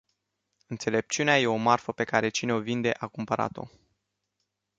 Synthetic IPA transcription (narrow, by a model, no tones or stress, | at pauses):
ɨnt̪se̞le̞p̚t͡ʃiuneaje̞o̞marfəpe̞kaɾe̞t͡ʃine̞o̞vind̪e̞ʔakumpəɾa̰t̪o̞̰